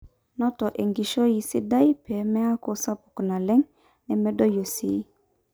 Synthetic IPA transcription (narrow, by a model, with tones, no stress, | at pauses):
nɔ˦tɔ˨ʔe˨ŋɡi˨ʃo˦ji˨si˦da˦jpɛ˨mɛ˦a˦ko˨sa˦pu̥˨kna˨lɛ˦ŋ | nɛ˨mɛ˦do˦jo˨si˨˦